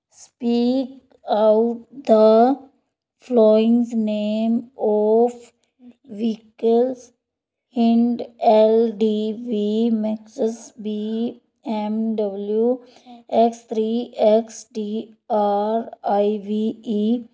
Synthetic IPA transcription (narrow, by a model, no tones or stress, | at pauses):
spiːk | aʊʈ̚d̪ə | flɔːɪ̃ŋzneːmɔf | ʋikəlz | hɪ̃ɳɖelɖiːʋimɛksəsbi | ẽmɖʌbəlju | ekst̪ʰɾiːeksɖiːaːɾaɪʋiːi